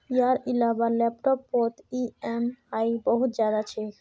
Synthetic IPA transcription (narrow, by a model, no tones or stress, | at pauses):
ijaɾilabalɛpʈopːɔt̪iemajbɔɦud͡ʑad̪at͡ɕʰe